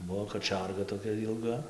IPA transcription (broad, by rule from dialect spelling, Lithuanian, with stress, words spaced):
ˈbuɔ kɐˈt͡ʃʲɛrɡɐ toːˈkʲɛ jɪlˠˈɡɐ